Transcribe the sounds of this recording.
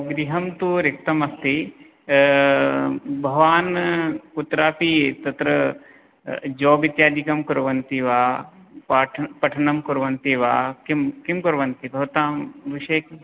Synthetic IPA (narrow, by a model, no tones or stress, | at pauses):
ɡɾiɦɐmt̪uɾɪk̚t̪ɐmɐst̪i | bʱɐʋaːnut̪ɾaːpit̪ɐt̪ɾɐ | d͡ʒoːʋit̪jaːd̪ikɐmkʊɾʋɐnt̪iʋaː | paːʈʰpɐʈʰɐnɐmkʊɾʋɐnt̪iʋaːkimkimkʊɾʋɐnt̪ibʱɐʋt̪aːmʋiʃeːk